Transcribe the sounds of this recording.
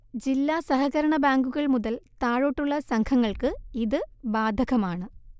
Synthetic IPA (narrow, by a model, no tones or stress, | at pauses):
d͡ʑilːaːsɐɦɐɣɐɾɐɳɐbaːŋɡuɣɐɭmuðɐlt̪aːɻoʈːuɭːɐsɐŋkʰɐŋːɐɭkɨiðɨbaːd̪ʱɐɣɐmaːɳɨ